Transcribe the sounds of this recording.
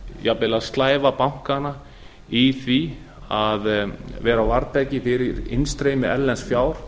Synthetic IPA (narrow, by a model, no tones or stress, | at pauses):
japɪlaðst̪laːjvapawŋ̥kana | iθvi | aðvɛːɾawvaɾp̪ɛcɪfɪɾɪɾɪ̰nst̪ɾeːjmɪɛllːɛnsfjaːwɾ̥